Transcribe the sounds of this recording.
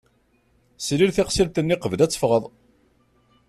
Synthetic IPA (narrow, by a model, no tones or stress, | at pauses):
sliɾθɪqsilt̪ənːiqəvlæt͡sːə̥fʁəðˤ